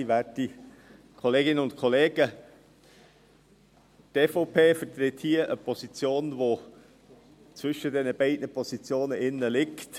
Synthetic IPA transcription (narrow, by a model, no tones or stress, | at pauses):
iʋæːti | kʰɔleːɡɪnəʊntkʰɔleːɡ̥ə | teːfopʰeːfət̪ɾɪthiːəʔəpʰɔsit͡sjoːnvo | t͡svʏʃədɛnəb̥ɛɪdnəpʰɔsit͡sjoːnəʔɪnːəlɪkt